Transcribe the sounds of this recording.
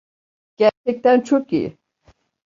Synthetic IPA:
ɟ̥æt͡ʃɛc̚t̪ænt͡ʃʰokḭjɪ̰

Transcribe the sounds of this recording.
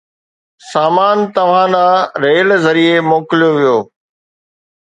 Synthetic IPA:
saːmaːnt̪ɐʋ̤ãɗãːɾeːlzɐɾiemoːkɪljoʋijoː

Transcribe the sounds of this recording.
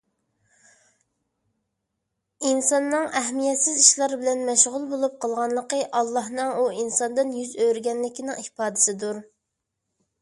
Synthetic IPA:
insɑnːɨŋɛɦmijɛt̪sɪziʃlˠɑɾbɪlɛnmɛʃʁʊlˠbolˠup̚qʰəlˠʁɑnlˠəqəʔɑlˠːɑhnɨŋuinsɑnd̪ɨnjyzøɾɡʲɛnlɪkʲinɪŋipɑːd̪ɪ̥sɪd̪uɾ

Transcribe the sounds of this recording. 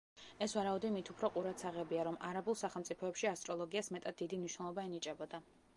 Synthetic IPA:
ɛsvaɾaud̪imit̪ʰupʰɾɔqʼuɾat̪sʰaʁɛbiaɾɔmaɾabulˠsaχɛlˠmt̪sʼipʰɔɛpʃiast̪ʼɾɔlˠɔɡiasmɛt̪ʼad̪̚ːid̪imniʃwnɛlˠɔbaɛnit͡ʃʼɛbɔd̪a

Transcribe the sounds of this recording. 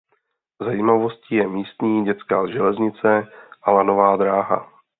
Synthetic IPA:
zajiːmavo̞scɪjɛmiːst̪ɲiːɟɛt͡skaːʒɛlɛzɲɪt͡sɛʔalanovaːd̪ɾaːɦa̰

